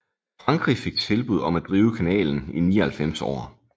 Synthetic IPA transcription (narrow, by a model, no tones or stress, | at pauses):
fʁɑ̈ŋɡ̥ʁife̝ɡ̥̚t͡sʰe̝lb̥uð̰ˠɒ̽mæd̥ʁiːʊəkʰænɛ̰ːln̩iniːɐhælfem̰sɒ̰ː